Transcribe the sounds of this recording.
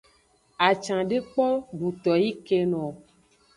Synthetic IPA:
a˨t͡ʃã˨ɖe˦k͡pɔ˦ɖu˨t̪ɔ˨ji˦ke˦nɔ̃˨

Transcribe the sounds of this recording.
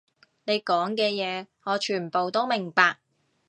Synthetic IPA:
ne˨˧jkɔː˨˥ŋkɛː˧jɛː˨˧ŋɔː˨˧t͡ʃʰyː˨˩npo˨wt̪o˥wmɪ˨˩ŋpaː˧k̚

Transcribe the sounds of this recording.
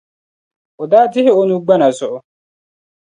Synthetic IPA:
o˨daː˦tɪ˦hɪ˦o˦nũ˦ɡ͡ba˦na˨sʊ˨ʔʊ˦

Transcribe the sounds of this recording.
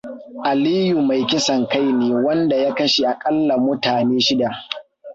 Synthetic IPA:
ʔa˨liː˦ju˨ma˨jkʲɪ˦sɐ˨ŋka˦jneː˨wɐ˦nda˨ja˦kɐ˦ʃi˨ʔa˨kʼɐ˦lːa˨mʊ˦taː˨neː˦ʃɪ˦da˨ʔ

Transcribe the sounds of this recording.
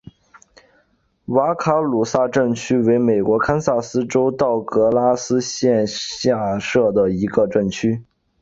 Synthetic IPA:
wa˧˥kʰa˥lu˨˩sa˥˧ʈ͡ʂə˥˩ŋt͡ɕʰy˥we˧˥ɪme˨˩ɪkwɔ˧˥kʰa˥nsa˥˩sɹ̩˥ʈ͡ʂo˥ʊt̪ɑ˥˩ʊkɤ˧˥la˥sɹ̩˥ɕjɛ˥˧nɕja˥˧ʂɤ˥˩d̪ə˩i˧˥ɡə˧ʈ͡ʂə˥˩ŋt͡ɕʰy˥

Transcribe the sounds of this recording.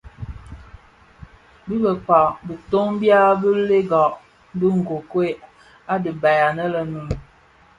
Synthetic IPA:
bi˦bə˨k͡pa˨bi˨to˦ŋbja˦bə˦le˦ɡɔ˨ʔ | bə˦ŋ̩˨ɡo˨kwe˦ | a˦də˨ba˨ja˨nə˦lə˨nu˨n˨

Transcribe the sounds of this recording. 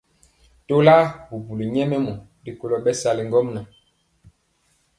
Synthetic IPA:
to˦la˦bu˨bu˨li˨ɲɛ˦mɛ˦mɔ˨ | di˨ko˨lɔ˨ɓɛ˦sa˨li˨ŋɡɔ˦mna˨

